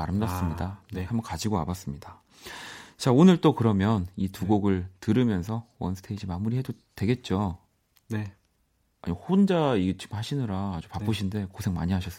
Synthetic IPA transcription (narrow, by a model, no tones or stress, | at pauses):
aɾɯmdas͈ɯmɲidaehambʌnkad͡ʑiɡoa̰bas͈ɯmɲida | t͡ɕaonɯɭt͈okɯɾʌmjʌnituɡoɡɯɭtɯɾɯmjʌnsʰʌwʌ̰nsʰɯ̥tʰe̞id͡ʑimamuɾiɦedodtwe̞ɡe̞t̚t͡ɕ͈o | ne | a̰ɲihond͡ʑaiɡt͡ɕʰimhaɕʰinɯɾaːd͡ʑupap͈ɯɕʰinde̞kosʰe̞ŋma̰ɲiɦaɕʰʌs͈